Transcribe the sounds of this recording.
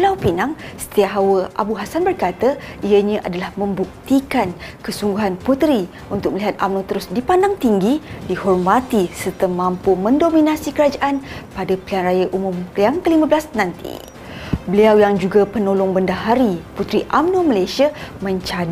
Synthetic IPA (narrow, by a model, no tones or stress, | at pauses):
əlawpinaŋsə̥t̪iaɦawəʔa̰buɦasanbərkat̪aijəɲãʔadalahmə̃mbuk̚t̪ikankəsuŋɡuɦanput̪ɾi | unt̪ʊk̚məliɦat̪̚amnot̪əɾʊsdipandaŋt̪iŋɡidihɔrmat̪isərt̪əmãmpumə̃ndomĩnasikəɾad͡ʒaʔanpadapəlianrajaʔumʊ̃mpliaŋkəlimãbəlasnãnt̪ḭ | bəliawjaŋd͡ʒuɡapənolʊŋbəndaɦaɾiput̪ɾiʔa̰mnumalajsiamə̃ɲt͡ʃad